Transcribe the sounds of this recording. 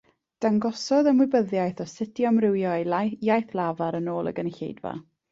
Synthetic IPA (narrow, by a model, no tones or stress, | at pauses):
d̥aŋɡɔsɔðəmwɪbəðjajθɔsɪtjɔmrɪwjɔejajθlˠavaɾənoːlˠə̰ɡənɬḛjdva̰